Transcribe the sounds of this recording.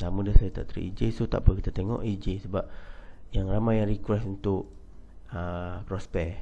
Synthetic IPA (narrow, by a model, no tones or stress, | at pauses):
samũdasajat̪a̰ʔt̪ɾḭʔḭd͡ʒesut̪a̰ʔpəkit̪at̪eŋɔ̰ʔid͡ʒesəbap̚jaŋramajaɾikuɾɛsunt̪ʊʔ | əkɾɔspɛ